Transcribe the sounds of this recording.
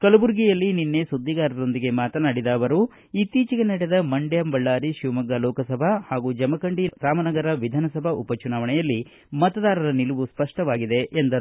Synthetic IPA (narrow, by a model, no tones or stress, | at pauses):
kɐlɐbuɾɡijɐlːininːe̞sud̪ːiɡaːɾɐɾo̞nd̪iɡe̞maːt̪ɐnaːɽid̪aːʋɐɾu | it̪ːiːt͡ʃiɡenɐɽed̪ɐmɐɳɖjɐmbɐɭːaːɾiʃiʋmɐɡɐlɔːkɐsɐbʱɐhaːɡuːd͡ʒɐmɐkɐɳɖiɾaːmɐnɐɡɐɾɐʋid̪ʱaːnɐsɐbʱɐʔupɐt͡ʃunaːʋɐɳɛjɐlːi | mɐt̪ɐd̪aːɾɐɾɐniluʋuspɐʂʈɐʋaːɡid̪e̞ʔːnd̪ɐɾ